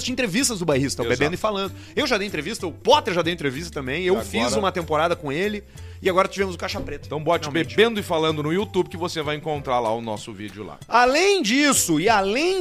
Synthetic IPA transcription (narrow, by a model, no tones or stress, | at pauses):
t͡ʃɪẽnt̪ɾevist̪ɐzd̪ʊbajɦist̪t̪abebẽnd̪ʊɪfalɐ̃nd̪ʊ | ewʒad̪ejẽt̪ɾevist̪ɐʊpɔt̪eɾʒad̪ejʊẽt̪ɾevist̪ɐt̪ɐ̃mbẽj̃ewfizũmɐt̪ẽmpoɾad̪ɐkõelɪ | ɪaɡɔɾɐt͡ʃivẽmʊzʊkaʃapɾet̪ʊ̥t̪ɐ̃w̃bɔt͡ʃibẽbẽnd̪ʊɪfalɐ̃nd̪ʊnʊiut̪ubɪkɪvosevajẽŋkõnt̪ɾaɾla̰ʊnɔ̰sʊvḭd͡ʒɪʊ̰la̰alẽj̃d͡ʒisʊɪalẽ